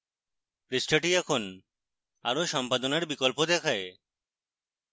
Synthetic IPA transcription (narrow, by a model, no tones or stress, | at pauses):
pɾisʈʰaʈiɛkʰon | a̰ɾoʃɔmpad̪onaɾbikolpod̪ɛkʰae